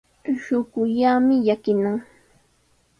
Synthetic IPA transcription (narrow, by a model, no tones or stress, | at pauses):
ʃʊɢʊʎamɪjakɪnaŋ